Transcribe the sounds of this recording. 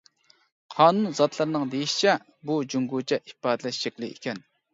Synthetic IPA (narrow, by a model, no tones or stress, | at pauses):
qʰɑːnunzɑt̪ʰlˠɨɾnɨŋd̪ejiʃi̥t͡ʃʰɛ | bud͡ʒuŋɡut͡ʃʰɛʔi̥pɑːd̪ɨlɛʃʃəkʲlˠɨḭkʲʰɛn